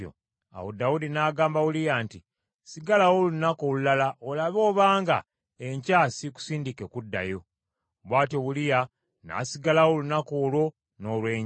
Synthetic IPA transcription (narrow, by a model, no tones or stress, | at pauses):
o̰ | a̰wo̰dawudinaːɡaːmbaβulijaːnti | siɡalawolunako̞lulalaʔolaβo̞ːβaːŋɡa̰ | eɲcaːsiku̥siːndikekudːa̰jo̞ | βwaːtjo̞βulija | na̰siɡalawolunako̞ːlwo̞ | no̞ːlwe̞ːɲ